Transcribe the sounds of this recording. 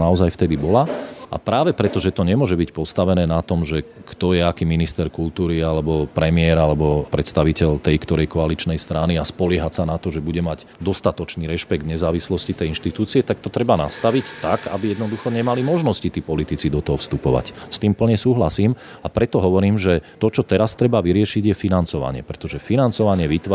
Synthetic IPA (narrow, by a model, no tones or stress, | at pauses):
naɔzajft̪ɛd̪ibɔlaʔa̰pɾaːʋɛpɾɛt̪ɔʒɛt̪ɔɲɛmʊɔʒɛbicpɔst̪aʋɛnɛːnat̪ɔmʒɛ | kt̪ɔjɛakiːminist̪ɛɾkult̪uːɾialɛbɔpɾɛmɪɛɾalɛbɔpɾɛt̪st̪aʋicɛʎt̪ɛjkt̪ɔɾɛjkɔalit͡ʃnɛjst̪ɾaniaspɔlɪɛɦacsanat̪ɔʒɛbuɟɛmaɟ | d̪ɔst̪at̪ɔt͡ʃniːɾɛʃpɛɡ̚d̪ɲɛzaːʋislɔscit̪ɛjinʃt̪it̪uːt͡siɛt̪ak̚t̪ɔt̪ɾɛbanast̪aʋict̪aka̰bijɛd̪nɔd̪uxɔɲɛmalimɔʒnɔscit̪iːpɔlit̪it͡sid̪ɔt̪ɔɦɔfst̪upɔʋa̰cst̪iːmpl̩ɲɛsuːɦlasiːmapɾɛt̪ɔɦɔʋɔɾiːmʒɛt̪ɔt͡ʃɔt̪ɛɾast̪ɾɛbaʋiɾɪɛʃiɟjɛfinant͡sɔʋa̰ɲɪɛ̰pɾɛt̪ɔʒɛfinant͡sɔʋaɲɪɛʋit̪ʋ